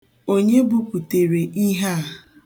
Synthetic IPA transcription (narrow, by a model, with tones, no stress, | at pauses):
o˦ɲe˦bʊ˦ku˨te˨ɾe˨ʔi˦ɦa˦˨